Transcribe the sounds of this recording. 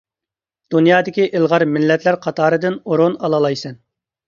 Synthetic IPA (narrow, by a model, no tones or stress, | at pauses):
d̪̥unjɑːd̪ɪkʲiʔɪlˠʁɑɾmɪlːɛt̪læɾqʰɑt̪ʰɑːɾɨd̪ɪnoɾonɑlˠɑlˠɑjsɛn